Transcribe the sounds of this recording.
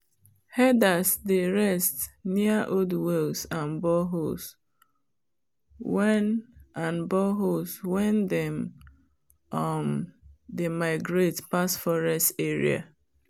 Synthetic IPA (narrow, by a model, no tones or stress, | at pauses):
hɛdasdeɹɛstniaʔodwɛlsãnbɔɦos | wɛnãnbɔɦoswɛ̃ndɛm | ɔmdemaɪɡɹetpasfɔɹɛsteɹḭa̰